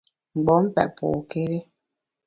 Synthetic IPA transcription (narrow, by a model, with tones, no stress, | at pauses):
ŋ͡m̩˨ɡ͡bɔ˨˦m̩˦pɛ̰˨ʔpʰo̰˨ke˦ɾe˦